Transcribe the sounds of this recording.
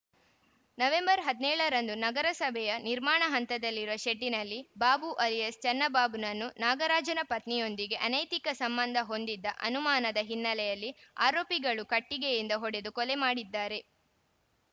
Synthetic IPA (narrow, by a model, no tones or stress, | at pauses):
nɐʋe̞mbɐɾɦɐd̪inɛːɭɐɾɐnd̪unɐɡɐɾɐsɐbʱɛjɐniɾmaːɳɐɦɐnt̪ɐd̪ɐlːiɾuʋɐʃeɖːinɐlːibaːbuʔɐlijɐst͡ʃɐnːɐbaːbunɐnːunaːɡɐɾaːd͡ʒɐnɐpɐt̪nijo̞nd̪iɡe̞ʔɐnɐjt̪ikɐsɐmbɐnd̪ʱɐɦo̞nd̪id̪ːɐʔɐ̰numaːnɐd̪ɐɦinːɐlɛjɐlːia̰ːɾoːpiɡɐɭukɐʈːiɡejind̪ɐɦɔɽe̞d̪ukɔlemaːɽid̪ːaːɾe̞